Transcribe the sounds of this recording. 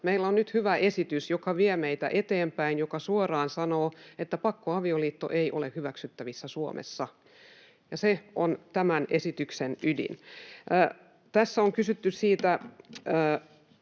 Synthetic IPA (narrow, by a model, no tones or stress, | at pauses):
meilːonnyt̪hyʋæʔesit̪ysjokɑʋiemeit̪æ̰ʔet̪eːmpæinjokɑsuorɑːnsɑnoːet̪ːæpɑkːoɑʋioliːt̪ːo̰ʔeiʔolehyʋæksyt̪ːæʋisːæsuo̰mḛsːɑ | jɑseont̪æmænʔesit̪yksenydḭnː | t̪æsːæoŋkysyt̪ːyssiːt̪æː